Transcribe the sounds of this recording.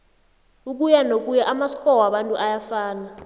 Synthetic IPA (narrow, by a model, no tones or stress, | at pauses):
uk̬ʼujanok̬ʼujaʔamasi̥kʼɔwaɓantʼuʔajafaːna